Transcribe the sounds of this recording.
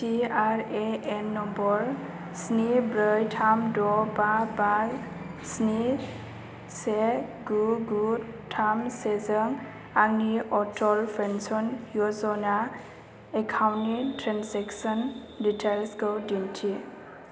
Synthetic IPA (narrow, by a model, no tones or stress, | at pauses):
tiaɹɛɛnːɔmbɔɹ | snibɹəjtʰamdɔbaba | sni | sɛɡuɡu | tʰamsɛzəŋ | aɡniɔtɔlpʰɹɛnsɔnjɔzɔna | ɛkʰawnitʰɹansɛksɔn | ditʰalskɔdintʰi